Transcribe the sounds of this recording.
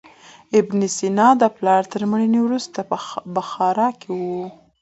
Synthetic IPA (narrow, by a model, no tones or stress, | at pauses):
ɪbnisinɑd̪əplɑɾt̪əɾməɽiniwɾust̪abəxɑɾɑkewu